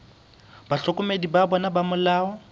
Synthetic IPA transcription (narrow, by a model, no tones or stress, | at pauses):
baɬɔkʼʊmedibabɔnabamʊlaːɔ